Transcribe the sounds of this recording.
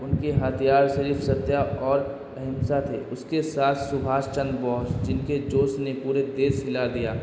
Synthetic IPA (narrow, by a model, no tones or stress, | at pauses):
ʊnkeɦat̪ʰijaːɾʃəɾiːfsɐt̪ːjaɔːɾ | ɐɦɪmsat̪ʰeʊskesaːt̪ʰsʊbʱaːst͡ʃə̃nd̪bɔːsd͡ʒɪnked͡ʒoːsnepuːɾed̪eːsɪlad̪ijaː